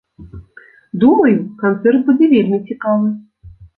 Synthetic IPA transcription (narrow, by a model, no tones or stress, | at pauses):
d̪umɐjukant̪sɛrt̪̚bud͡zʲɛvʲelʲmʲit͡sʲikavɨ